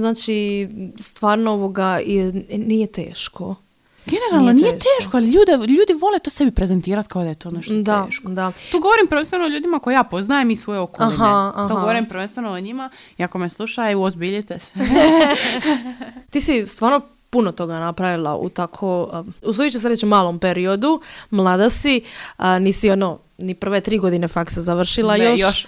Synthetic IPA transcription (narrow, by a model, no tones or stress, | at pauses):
znaːt͡ʃist̪ʋaːɾnooʋoɡainijet̪e̞̰ːʃko̞ | ɡeneɾalˠnonijet̪eːʃkoaliʎuːd̪eʎuːd̪iʋo̞lˠet̪osebipɾezent̪iːɾat̪kaod̪ajet̪oːneʃt̪d̪aʃkd̪att̪uːɡoʋoɾimpɾ̩ʋent̪enoʎuːd̪imakojjaːpo̞znajemisʋojeokoaɦaaht̪oɡoʋoɾimpɾʋe̞nst̪enooɲima | iakomeslˠuʃauozbiʎit̪es | t̪iːsist̪ʋaːɾno̞ | punot̪o̞ɡanapɾaʋilˠa̰ʔṵt̪akʰouslˠojut͡ʃesaɾet͡ʃumaːlˠompe̞ɾio̞d̪umlˠaːd̪asiniːsio̞no | nipr̩ʋet̪ɾiːɡo̞d̪inefaksazaʋr̩ʃilˠajoʃʃ